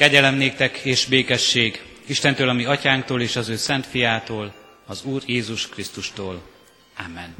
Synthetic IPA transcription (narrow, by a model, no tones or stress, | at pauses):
kɛɟɛlɛmneːk̚t̪ɛkeːʃbeːkɛʃːeːɡiʃt̪ɛnt̪øːlɒmiɒcaːŋkt̪oːleːʃɒzøːsɛnt̪fijaːt̪oːl | ɒzuːrjeːzuʃkrist̪uʃt̪oːl | amːɛn